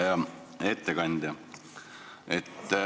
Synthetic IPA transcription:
jɑ | e̞t̪ːekɑnʲd̪̥ɑ | et̪ː

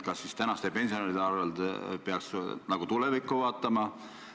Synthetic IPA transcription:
kɑsist̪ænɑst̪e̞pe̞nʲsioneɾid̪eɑrveld̪peɑksnɑɡ̥ut̪ulevikːˑuvɑːt̪ːˑɑmɑ

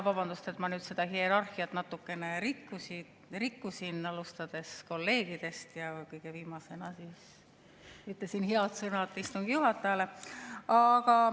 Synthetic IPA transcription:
vɑb̥ɑnd̪ust̪e̞t̪mɑnyːd̪se̞d̪ɑhieɾɑrxiɑt̪nɑt̪ːˑukːe̞ne̞ɾikːusid̪ | rikːusinɑlust̪ɑd̪̥e̞sko̞lːe̞ːɡ̥id̪e̞st̪jɑkɤjɡ̥eviːmɑse̞nɑsiːs | yt̪lesinheɑt̪sɤnɑt̪ːˑist̪uŋɡ̥ijuɦɑt̪ːˑɑjɑleɑɡ̥ɑ

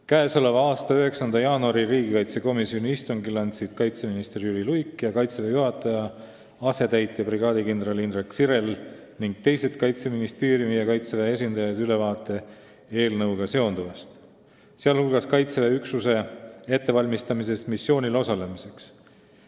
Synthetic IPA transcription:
kæeso̞le̞vɑɑːst̪ɑøɦe̞ksɑnd̪̥ɑjɑːnuɑɾiɾiːɡikɑjt̪se̞ko̞misio̞nʲiist̪oŋɡilɑnʲsit̪kɑjt̪se̞minist̪eɾjyɾilujkːˑjɑkɑjt̪sevejuɦɑt̪ːˑɑjɑ | ɑse̞t̪æjt̪ːˑjɑpriɡ̥ɑːd̪ikind̪rɑlind̪rɑksiɾe̞l | niŋɡ̥̚t̪e̞jse̞t̪kɑjt̪se̞minist̪e̞ːɾjumijɑkɑjt̪sevee̞s̬ʲind̪̥ɑjɑd̪yle̞vɑːt̪ːˑe̞ | e̞ːlnɤwɡ̥ɑse̞o̞nd̪uvest̪ | seɑlhulɡ̥ɑskɑjt̪seveyksuse̞e̞t̪ːe̞vɑlʲmist̪ɑmis̬e̞st̪misːjo̞ːnʲilo̞sɑle̞mise̞ks

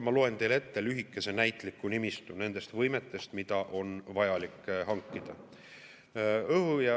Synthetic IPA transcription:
mɑlo̞ent̪e̞jle̞t̪ːelyɦikˑːe̞se̞næjt̪ˑlikːˑunimist̪une̞nd̪̥e̞st̪vɤjmet̪ːˑe̞st̪mid̪̥ɑʔo̞nvɑjɑlikːˑɦɑŋkːˑid̪̥ɑ | ɤhujɑ

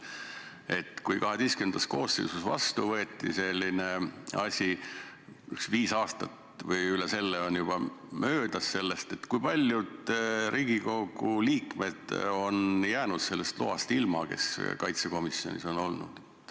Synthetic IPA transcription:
e̞t̪kujkɑɦe̞d̪̥eskymend̪̥ɑsko̞ːsːḛsusvɑ̰st̪uvɤeːt̪ˑːḭse̞lʲːine̞ɑsʲi | yksviːsɑːst̪ɑt̪ | vɤjylɛse̞lːeo̞njub̥ɑmø̞ːd̪̥ɑsːe̞lːe̞st̪e̞t̪kujpɑlʲjud̪̥ɾʔiːɡ̥iko̞ɡuliːkme̞d̪̥o̞njæːnud̪̥selːest̪lo̰ɑ̰st̪ilmɑke̞̰skɑjt̪seko̞misjo̞̰nʲḭso̞nolnṵd̪̥

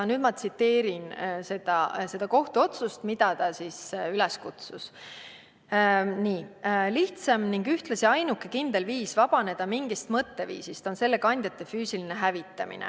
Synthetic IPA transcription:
nyːd̪̥mɑt̪sit̪ːe̞ːɾinse̞d̪̥ɑse̞d̪̥ɑko̞ht̪uo̞t̪sust̪mid̪̥ɑt̪ɑsisylɛskut̪sus | niːliht̪sɑmniŋɡyht̪lɑsiɑjnukːe̞kind̪e̞lviːsvɑb̥ɑne̞d̪̥ɑmiŋɡ̥ist̪mɤt̪ːe̞vḭːsist̪o̞nse̞lːe̞kɑnʲd̪̥ʲjɑt̪ːˑefyːsilineɦævit̪ːˑɑmḭnḛ

